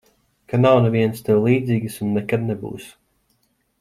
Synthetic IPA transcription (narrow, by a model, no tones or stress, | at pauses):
kanawneviɛnst̪ɛwlˠiːd̪ziːɡɨsunːekad̪nebṵːs